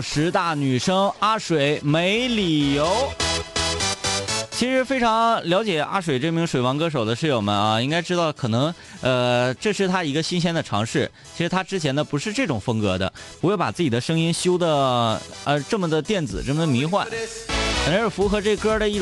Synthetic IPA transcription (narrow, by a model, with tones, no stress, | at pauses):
ʂɻ̩˧˥t̪a˥˩ny˨˩ʂɤ˥ŋa˥ʂwe˨˩ɪme˧˥ɪli˨˩jo˧˥ʊ | t͡ɕʰi˧˥ʂɻ̩˧˥fe˥ɪʈ͡ʂʰɑ˧˥ŋljɑ˧˥ʊ̯t͡ɕjɛ˨˩ʔa̰˥ʂwe˨˩ɪʈ͡ʂɤ˥˩mi˧˥ŋʂwe˨˩ɪwɑ˧˥ŋkɤ˥ʂo˨˩ʊd̪ə˦ʂɻ̩˥˩jo˨˩mə̰˦ɐ˧i˥ŋka˥ɪʈ͡ʂɻ̩˥d̪ɑ˥˩ʊkʰɤ˨˩nɤ˧˥ŋ | ə˧ʈ͡ʂɤ˥˧ʂɻ̩˥˩t̪ʰa˥i˧˥ɡə˧ɕi˥nɕ̬jɛ˥nd̪ə˨˩ʈ͡ʂʰɑ̰˧˥ŋʂɻ̩˥˩t͡ɕʰi˧˥ʂɻ̩˧˥t̪ʰa˥ʈ͡ʂɻ̩˥t͡ɕʰjɛ˧˥nd̪ə˧pu˧˥ʂɻ̩˥˧ʈ͡ʂɤ˥˩ʈ͡ʂʊ˨˩ŋfɤ˥ŋkɤ˧˥d̪ə̰˧pu˧˥xwe˥˩ɪpa̰˨˩t͡sɹ̩˥˩t͡ɕi˨˩d̪ə˦ʂɤ˥ŋi˥nɕjo˥ʊd̪ə˨ | ə˧ʈ͡ʂɤ˥˩mə˩d̪ə˩t̪jɛ˥˩nt͡sɹ̩˨˩ʈ͡ʂɤ˥˩mə˩d̪ə˩mi˧˥xwa̰˥˩nxnə˥ʂɻ̩˥˩fu˧˥xɤ˧˥ʈ͡ʂɤ˥˩˧kə˥də˨i˥˩